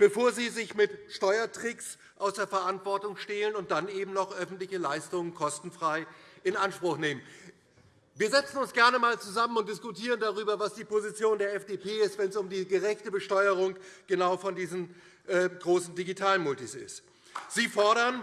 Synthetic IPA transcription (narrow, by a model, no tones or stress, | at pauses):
b̥əfoːɐziːzɪçmɪtʃtɔʏɐtʁ̥ɪks | ʔaʊsd̥eːɐfɛɐʔantv̥ɔɐtʊŋʃtɛlənʊnt̚d̥anʔeːbm̩nɔχʔœfn̩tlɪçəlaɪstʊŋənkʰɔstn̩fʁ̥aɪɪnʔanʃpʁ̥ʊχneːmən | viːɐzɛt͡sn̩ʊnsɡ̥ɛɐnəmaːlt͡suzamənʊntd̥ɪskʊtʰiːʁ̞əndaʁyːbɐvasd̥iːpozit͡sjoːndeːɐɛfd̥eːpʰeːɪstv̥ɛnsʊmdiːɡəʁɛçtəbəʃtɔʏəʁ̞ʊŋɡ̥ənaʊfɔndiːzn̩ | ʔɛːɡʁoːsn̩diɡitʰaːlənmʊltisɪ̰st | z̥iːfɔɐɾɐn